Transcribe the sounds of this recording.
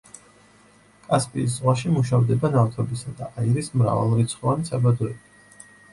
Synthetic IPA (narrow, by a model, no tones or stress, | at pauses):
kʼaspʼiːs̬zʁwaʃimuʃavd̪ɛbanaft̪ʰɔbisad̪aʔaiɾismɾa̰va̰lˠɾit̪sʰχɔvanisabad̪ɔɛbi